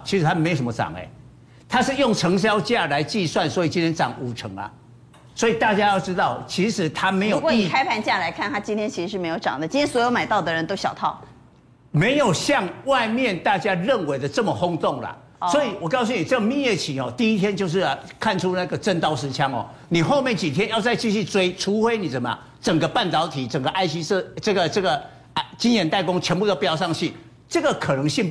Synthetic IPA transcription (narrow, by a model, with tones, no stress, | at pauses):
t͡ɕʰi˧˥ʂɻ̩˧˥t̪ʰa˥me˧˥jo˨˩ʂə˦mə˧˩ʈ͡ʂɑ̰˨˩ŋḛ˦ | t̪ʰa˥˦ʂɻ̩˥˧jʊ˥˩ŋʈ͡ʂʰɤ˧˥ŋɕ̬jɑ˦˥ʊt͡ɕja˥˨˩la˨˦ɪt͡ɕi˥˧swa˥˩nswɔ˨˦˥i˨˩t͡ɕi˦nt̪ʰjɛ˥nʈ͡ʂɑ̰˨˩˦ŋu˨˩ʈ͡ʂʰɤ˧˦ŋlɐ̰˨ | swɔ˧˥i˨˩t̪a˥˩t͡ɕja˦jɑ˥˩ʊʈ͡ʂɻ̩˥t̪ɑ˥˩ʊt͡ɕʰi˧˥ʂɻ̩˧˥t̪ʰa˦me˧˥jo˨˧˨ki˨kʰa˥ɪpʰa˧˥nt͡ɕja˥˩la˧˥ɪkʰa˥˩nt̪ʰa˥t͡ɕi˥nt̪ʰjɛ˥nt͡ɕʰi˧ʂɻ̩˧ʂɻ̩˥˩me˧˥ɪjo˧˩ʊʈ͡ʂɑ̰˨˩ŋd̪ə˦t͡ɕi˥nʰjɛ˥nswɔ˧˥jo˧˥ma˨˩ɪt̪ɑ˥˩ʊd̪ə˩ɻə˧˦nt̪o˥ʊɕjɑ˨˩ʊt̪ʰɑ˥˩ʊ | me˨˦˥ɪjo˨˩ʊɕjɑ˥˧ŋwa˥˧ɪmjɛ˥˨nt̪a˥˩t͡ɕja˥ɻə˥˩nwe˧˥ɪd̪ə˧ʈ͡ʂə˥˩mə˨hʊ˥ŋt̪ʊ˥˨˩ŋlɐ̰˩ | swɔ˧˥i˨˩wɔ˨˩kɑ˥˧ʊs̬u˥˩ni˨˩t͡sə˥˩ɡə˨˩mi˥˧jɛ˥˩t͡ɕʰi˨˩ŋɔ̰˨˩t̪i˥˩i˦˥t̪ʰjɛ˥nt͡ɕjo˥˧ʊʂ̬ɻ̩˥˩˧kʰa˥˩nʈ͡ʂʰu˦˥na˥˧˩ɡə˩ʈ͡ʂə˥˩nt̪ɑ˥ʊʂɻ̩˧˥t͡ɕʰjɑ˦˥ŋɔ̰˨˩ | ni˨˩xo˥˧ʊmjɛ˥˩nt͡ɕi˨˩t̪ʰjɛ˥njɑ˥˧ʊt͡sa˥˧ɪt͡ɕi˥˧ɕy˥˩t͡swe˥ɪʈ͡ʂʰu˧˥xwe˥ɪni˨˩ʂə˨˩˦mə̰˨ | ʈ͡ʂə˨˩ŋɡə˦pa˥˩nt̪ɑ˧˥ʊt̪ʰi˨˩ʈ͡ʂə˨˩ŋɡə˦˩ʔa˥ɪɕi˥ʂʈ͡ʂɤ˥˩ɡə˩ʈ͡ʂɤ˥˩ɡə˩ | t͡ɕi˥njɛ˧˥nt̪a˥˩ɪkʊ˥ŋt͡ɕʰɥɛ˧˥npu˥˧d̪ə˩pjɑ˥˩ʊʂɑ˥˧ŋt͡ɕʰi˥˩ | ʈ͡ʂɤ˥˩ɡə˨kʰɤ˨˩nɤ˧˥ŋɕi˥˧n